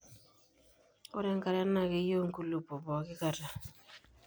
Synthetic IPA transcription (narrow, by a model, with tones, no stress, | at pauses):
o̰˦ɾɛ˦ŋ˦ka˦ɾa˦na˨ki˦jo˦ŋ̩˦ku˦lu˨po˨bɔ˨kɪ˦ka˨ɾa˨